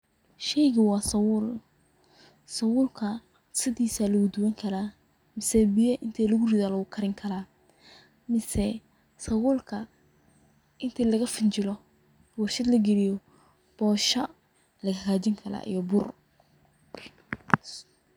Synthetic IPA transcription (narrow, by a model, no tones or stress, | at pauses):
ʃɛjɣʊwɑːsɐwʊl | sɐwʊlkʰɐ | sɪðiːsaːlɐɣʊd̪ʊwɐŋkʰɐlaː | mɪsɛbɪjɐʔɪnt̪ʰɛːlɐɣʊrɪðaːlɐwʊkʰɐɾɪŋkʰɐlaː | mɪsɛ | sɐwʊlkʰɐ | ʔɪnt̪ʰɛlɐɣɐfɪnt͡ʃɪlɔ | wʊʃɪd̪lɐɡɛlɪjɔ | b̥ɔːʃɐ | lɐɣɐkʰaːt͡ʃɪŋkʰɐla̰ːʔḭjɔbʊr